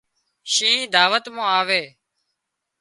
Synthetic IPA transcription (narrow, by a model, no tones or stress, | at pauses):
ʃĩːd̪aːʋət̪mõːaːʋeː